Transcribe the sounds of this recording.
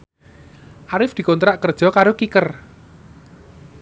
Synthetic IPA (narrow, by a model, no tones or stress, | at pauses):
ʔaɾɪfd̪̥i̤kont̪ɾaʔkərd̥ʒ̥ɔ̤kaɾokikər